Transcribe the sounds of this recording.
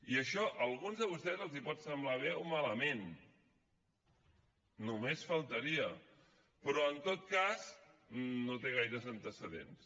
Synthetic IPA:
iəʃɔʔəlˠɣunzðəβust̪ɛzəlˠzipɔt̪səmblaβ̞eomaləmen | umesfəlˠt̪əɾiə | pɾɔənt̪ot̪̚kaz | not̪eɣ̞ajɾəzənt̪əsəðḛns

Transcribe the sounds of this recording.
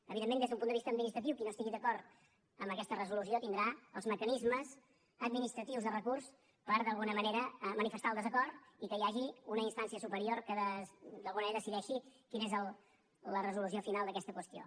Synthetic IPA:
əβiðemːend̪ezðəumpund̪əβist̪əd̪minist̪ɾət̪iwkinost̪iɣiðəkɔɾt̪ | əmbəkɛst̪ərəzulusiot̪ind̪ɾaəlˠzməkənizməz | əd̪̚minist̪ɾət̪iwzðərəkurs | pəɾðəlˠɣunəməneɾəmənifəst̪alˠd̪əzəkɔrt̪ikəjaʒiunəinst̪ansiəsupəɾioɾkəðəsd̪əlɣunəmneɾəðəsiðɛʃikinezəlˠ | ərəzulusiofinalˠəkɛst̪əkwəst̪io̰

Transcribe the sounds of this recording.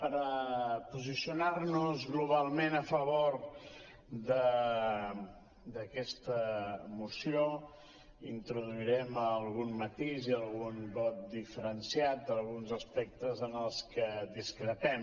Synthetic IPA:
pəɾəpuzisiunaɾnuzɣluβ̞alˠmenəfəβoɾ | d̪ə | d̪əkɛst̪əmusio | int̪ɾuðuiɾɛməlˠɣunmət̪iziəlˠɣunbɔt̪̚d̪ifəɾənsiat̪̚d̪əlˠɣunzəspɛk̚t̪əzənəlˠskədiskɾət̪ɛm

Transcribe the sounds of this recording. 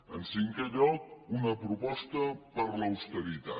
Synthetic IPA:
ənsiŋkeʎɔk̚unəpɾupɔst̪əpəɾləwst̪əɾit̪a̰

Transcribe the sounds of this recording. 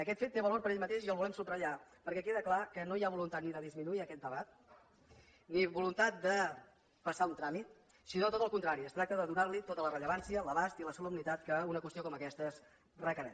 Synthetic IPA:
əkɛt̪fet̪ːeβəloɾpəɾeʎmət̪eʃiəlˠβulɛmsut̪rəʎapəɾkɛk̬eðəklakənojaβulunt̪at̪niðəðizminuiəkɛt̪d̪əβat̪̚ | niβulunt̪at̪̚d̪ə | pəsaunt̪ɾamit̪ | sinot̪ot̪əlˠkunt̪ɾaɾiəst̪ɾak̚t̪əðəðunaɾlit̪ot̪ələrəʎəβ̞ansiələβast̪iləsuləmnit̪at̪kəunəkwəst̪iokɔməkɛst̪əs | rəkəɾɛ̰

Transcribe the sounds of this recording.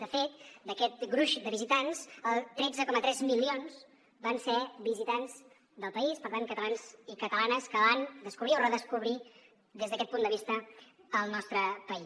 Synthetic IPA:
d̪əfet̪d̪əkɛt̪̚ɡɾuʃd̪əβizit̪anzəlˠt̪ɾɛd͡zəkɔmət̪ɾɛzmilionz | bansɛbizit̪anz | d̪əlˠpəispəɾt̪aŋkət̪əlanzikət̪əlanəskəβand̪əskuβɾiorəðəskuβɾi | d̪ezðəkɛt̪̚pund̪əβist̪əːlˠnɔst̪ɾəpəi

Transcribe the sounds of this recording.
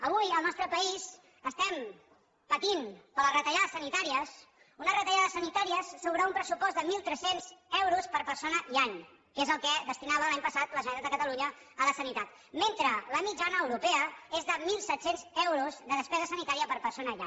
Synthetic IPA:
əβujəlˠnɔst̪ɾəpəiz | əst̪ɛm | pət̪impələrət̪əʒaðəsənit̪aɾiəs | unərət̪əʒaðəsənit̪aɾiəsːuwβɾaumpɾəsupɔzd̪əmilˠt̪ɾɛsenzɛwɾuspəɾpəɾsonəiaɲ | kezəlˠkɛðəst̪inaβəlaɲpəsat̪ləʒənit̪ad̪əkət̪əluɲə | ələsənit̪at̪ | ment̪ɾələmid͡ʒanəːwɾupɛəezðəmilˠsɛt̪senzɛwɾuzðəðəspɛzəsənit̪aɾiəpəɾpəɾsonəia̰

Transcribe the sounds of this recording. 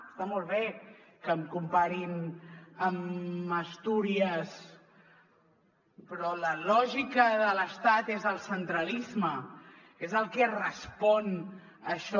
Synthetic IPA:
st̪amɔlˠβ̞ekəmkumpaɾiməməst̪uɾiəs | pɾɔləlɔʒikəðələst̪at̪ezðəlˠsənt̪ɾəlizmə | ezəlˠkɛrəspɔn | əʃɔ

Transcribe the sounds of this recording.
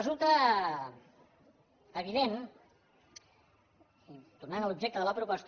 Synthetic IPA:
əzulˠt̪ə | əβ̞iðen | it̪urnanəlubʒek̚t̪əðələpɾupəst̪

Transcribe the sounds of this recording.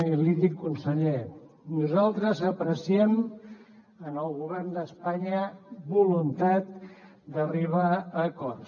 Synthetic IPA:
ilit̪ikːunsəʎe | nuzalˠt̪ɾəzəpɾəsiɛm | ənəlˠɣuβɛrnd̪əspaɲəbulunt̪at̪̚ | d̪əriβaəkɔr

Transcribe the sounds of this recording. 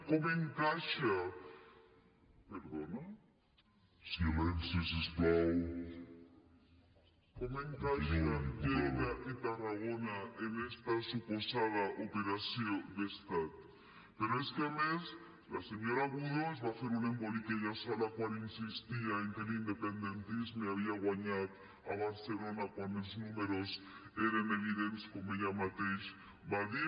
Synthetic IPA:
komoeŋkaʃa | peɾðona | siamensesesplaw | komoeŋkaʃant̪jeɣaʔit̪araɣonaenest̪asuposaðaʔopeɾasjod̪est̪at̪̚ | pe̞ɾo̞eskame̞s | lase̞ɲo̞ɾaɣuðozβase̞ɾunembo̞likeʝasalakwaɾinsist̪iaeŋkeliind̪e̞pe̞nd̪e̞nt̪izmeaβ̞iaɣwaɲat̪ | aβ̞aɾse̞lo̞nakwaneznume̞ɾo̞seɾeneβiðenskomeʝamat̪ejs | βaði

